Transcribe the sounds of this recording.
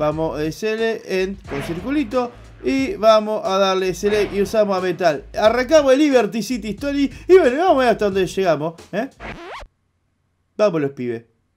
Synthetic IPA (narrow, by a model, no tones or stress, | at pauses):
amoeseleʔeŋkonsiɾkulit̪̬o | iβamoʔaðaɾleseleiusamosamet̪alaraŋk̬amoeliβeɾt̪isit̪iht̪oliiβwenoiβamoaat̪aðond̪eʃeɣamose | bamoloepiβḛ